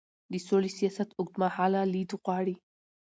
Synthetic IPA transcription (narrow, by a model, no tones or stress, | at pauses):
d̪isolisijasat̪ʊɡ̚t̪maħalalid̪uqaːɾi